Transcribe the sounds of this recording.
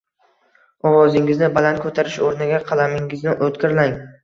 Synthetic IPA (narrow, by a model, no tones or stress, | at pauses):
ɒwɒzɪŋɪznɪbalant̪̚kʰɵt̪ʰaɾɪʃoɾnɪɡʲaqʰɑlˠamɪŋɪznɪʔot̪kʲɪɾlaŋ